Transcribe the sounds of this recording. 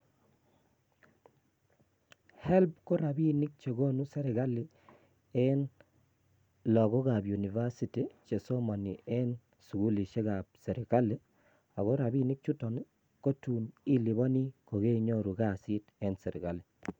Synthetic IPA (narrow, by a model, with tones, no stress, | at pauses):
hɛ˦lb̚ko˦ɾa˨bi˦nɪ˦k̚t͡ʃe˨ɡo˦nu˦sɛ˦ɾɪ˨ɣa˦li˨ | ɛ˦n | lɔ˨ɣɔ˦ka˨pju˨ni˨va˦si˨ti˨t͡ʃe˨so˦ma˨nḭ˨ʔɛ˦n | su˨ɡu˦li˨ʃe˦ka˨p̚sɛ˨ɾi˨ka˦le˦ | a˨ɣo˦ɾa˨bi˦nɪ˦k̚t͡ʃu˦tɔ˨ni˦ | ko˦tu˨ni˦li˨βɔ˦ni˦ko˨ɣe˦ɲo˦ɾu˨ɡa˦˨si˦tɛ˦nsɛ˨ɾḭ˨ɡa˨li˨